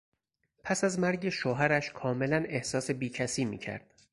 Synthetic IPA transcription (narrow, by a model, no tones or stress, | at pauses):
pʰæsæzmæɾɟe̞ʃoːɦæɾæʃkʰɒːme̞læne̞hsɒːse̞biːcʰæsiːmḭːcʰæ̰ɾd̪̥